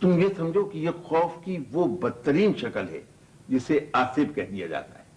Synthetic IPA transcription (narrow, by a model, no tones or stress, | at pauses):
t̪ʊmjesɐ̃md͡ʒʱokijexɔːfkiʋobɐd̪̚t̪ːəɾiːnʃɐkəlɦɛ̰ | d͡ʒɪseaːsɪbkɛɦd̪ija̰d͡ʒa̰ːt̪a̰ɦɛː